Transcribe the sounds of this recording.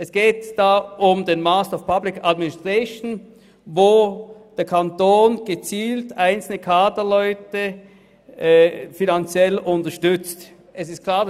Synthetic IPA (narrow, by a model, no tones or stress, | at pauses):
ʔɛsɡ̥eːtd̥aːʔʊmdenmastɔfpʰablɪkadmɪnɪstʁ̥aʃn | voːd̥eːɐkʰantoːnɡ̥ət͡siːltaɪnt͡sl̩nəkʰaːtɐlɔʏtə | finant͡sjɛlʊntɐʃtʏt͡st | ʔɛsɪst̚kʰl̥aːɐd